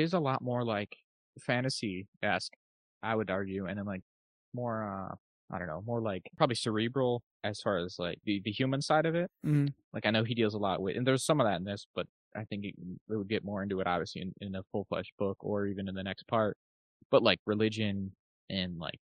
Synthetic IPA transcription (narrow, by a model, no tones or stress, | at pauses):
ɪzəlɔt̚mɔɹlaɪk | fæ̃ɾ̃ɨsiæsk | ʔaɪwɨɾɑɹɡjʉɨ̃ñɨ̃nlaɪk̚ | mɔɹʌ̰ | aɪdõ̰ʊ̃nːoʊmɔɹlaɪkpʰɹ̥ɑbəblisə˞ibɹl̩ˠ | ʔɨz̥fɑɹɨz̥laɪk̚ðɨðɨhjʉmɨ̃nsaɪɾʌvɪt̩̚m̩laɪkaɪnoʊidilˠzəlɔ̰ʔ̚wɪðʔɨ̰̃nðə˞z̥sʌ̃mʌvðæɾn̩ðɪsb̥ʌɾ | ʔaɪθɪ̃ŋkɨ̰ʔ̚ɪt̚wəd̚ɡɛt̚mɔɹɪ̃ntʉɨɾʔɑ̰bviɨsliɨ̃nɪ̃nəfʊlˠflɛ̰ʃb̥ʊkə˞ivɨ̃nɨ̃nðɨnɛks̚pʰɑɹt̚ | b̥ʌt̚ˡlaɪkɹɨlɪd͡ʒɨ̃n | ʔɨ̃nla̰ɪk̚